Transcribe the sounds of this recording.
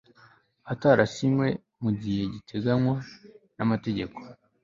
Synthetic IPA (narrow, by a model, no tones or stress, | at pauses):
ataɾasimwe̞ | muɟihe̞ɟitʰe̞ɡanwanamate̞ɟe̞ko̞̥